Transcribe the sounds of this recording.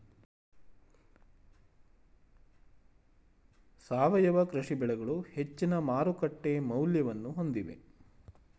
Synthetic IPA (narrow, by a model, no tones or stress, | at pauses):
saːʋɐjɐʋɐkɾɐʂibɛɭɛɡɐɭuhe̞t͡ʃːinɐmaːɾukɐʈːe̞mɐwljɐʋɐnːuɦo̞nd̪iʋe̞̰